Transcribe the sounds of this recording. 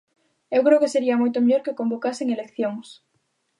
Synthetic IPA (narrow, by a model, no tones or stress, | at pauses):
ewkɾewkeseɾiamojt̪omeʎoɾkekombokaseŋelekθjoŋs